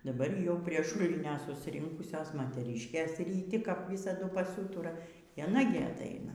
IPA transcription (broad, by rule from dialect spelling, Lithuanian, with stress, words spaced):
dɐˈbɐr jɛʊ pʲrʲiɛ ˈʃʊlʲɪnʲoː sʊsʲɪˈrʲɪŋkʊsʲoːs moːtʲɛˈrʲiːʃʲkʲeːs rʲiːˈtʲɪ kɐp ˈʋʲiːsɐdʊ pɐˈsuːtʊrɐ iː ɐˈnɐ ɡʲɪ ɐˈtɐɪnɐ